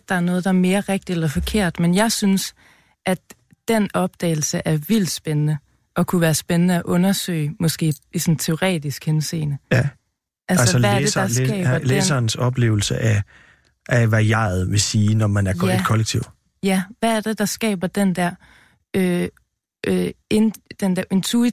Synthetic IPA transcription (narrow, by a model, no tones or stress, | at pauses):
d̥ɑ̈æɐnɔ̽ːð̞̩ˠd̥ɑ̈ɐme̝ːɐʁeɡ̥̚d̥id̥elɐfɒ̽kʰe̝ɐ̰d̥menjɑ̈ɪsyns | ʔæ̥ | d̥enɒ̽b̥̚d̥ɛ̰ːɪl̩səʔæɐʋil̰d̥sb̥enənə | ʔɒ̽kʰuʋæːɐsb̥enənəæʔɔ̽nɐsø̰ɪmɒ̽sɡ̥e̝̰ːisɔ̽nt͡sʰeo̝ʁɛ̰ːd̥isɡ̥hense̝̰ːnə | ʔælæssæɐd̥esɑ̥̈ɛ̰̥ːɐleːsɐːnsɒ̽b̥le̝̰ːʊl̩səʔæ | ʔæʋæjɑ̰̈ð̩ˠʋe̝siːnɒmænæɐkʰɒ̥kʰɒ̽leɡ̥̚t͡sʰiʊ̰ | jæʋæːɐd̥e̝d̥ɑ̈sɡ̥ɛ̰ːb̥ɐd̥end̥æɐ̰ | ø | end̥end̥æɐʔe̝nt͡sʰui